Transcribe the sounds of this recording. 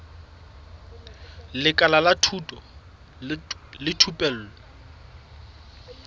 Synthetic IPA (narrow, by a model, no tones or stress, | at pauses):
lɪkʼalalatʰutʼɔ | lɪtʰupʼɛl̩ːlɔ